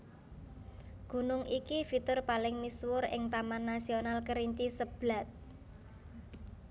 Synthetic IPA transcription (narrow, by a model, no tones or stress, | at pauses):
ɡ̥ṳnʊŋʔikifit̪ʊrpalɪŋmiswʊrɪ̰ŋt̪amanːasionalkəɾiɲt͡ʃisəb̥la̤t̪̚